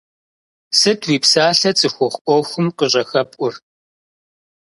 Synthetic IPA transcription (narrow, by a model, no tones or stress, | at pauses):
sɨtʰwiːpsaːɬɐt͡sʼɨxʷɔχʷʔʷɔwxʷʊmqəɕʼɐxɐpʷʼʊr